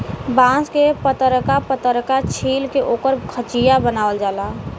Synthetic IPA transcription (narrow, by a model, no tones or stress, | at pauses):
bãːskepət̪əɾkapət̪əɾkat͡ʃʰiːlkeʔoːkəɾkʰət͡ʃijabənaːʋəld͡ʒaːlaː